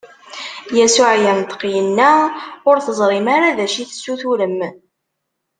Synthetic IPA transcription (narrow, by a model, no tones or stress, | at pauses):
jæsʊʕjænt̪ə̥qːjənːæʊɾθəzˤɾˤɪmaɾaðæʃiθsːuθuləm